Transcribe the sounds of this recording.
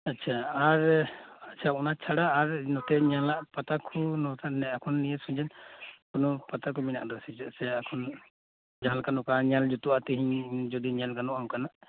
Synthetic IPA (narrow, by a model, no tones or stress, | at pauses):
atːt͡ʃʰaaɾatːt͡ʃʰaunat͡ʃʰaɽaːɾnɔt̪ɛɲalaʔpat̪akʰunɔt̪ʰanɛakʰɔnːijɛsũd͡ʒɛnkɔnɔpat̪akumina̰ʔdɔsid͡ʒɛsɛakʰɔn | d͡ʒaɦalkanɔkaɲald͡ʒut̪uat̪ɛɦiɲd͡ʒɔd̪iɲalkanuʔawkanaʔ